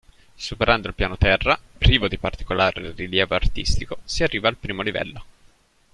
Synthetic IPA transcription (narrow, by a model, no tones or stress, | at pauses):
supeɾʔand̪oilpjaːnot̪ɛrːapɾiːvod̪ipart̪i̥kolaːɾḛriljɛːvoart̪ist̪ikosiarːiːvaːlpɾiːmolivɛ̰lːo